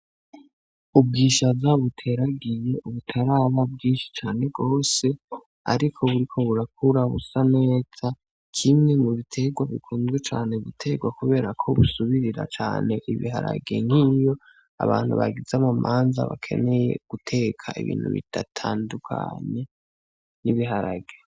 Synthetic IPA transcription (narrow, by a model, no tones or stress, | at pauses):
ub̚ɡiːʃazaβutʰe̞ɾaɡije̞ʔuβutʰaɾaβab̚ɡiːnʃi̥t͡ʃaːne̞ɡo̞ːse̞ | a̰ɾikʰo̞βuɾikʰo̞βuɾak̚uɾaβṵsane̞ːz̥a | kʰimŋe̞muβitʰe̞ɡwaβḭkʰuːnzɡwet͡ʃaːne̞βitʰe̞ɡwakuβe̞ːɾakʰoβusuβiɾiɾa̰t͡ʃa̰ːne̞ʔiβiɦa̰ɾa̰ɡḛŋ̥hiːjo̞ | a̰βaːn̥huβa̰ɡizamamʔaːnza̰βa̰kʰe̞̰ne̞je̞̰ɡ̥utʰe̞kʰaʔiβḭːn̥hṵβḭd̥atʰaːndukʰa̰ɲe̞ | niβiɦaɾaɡe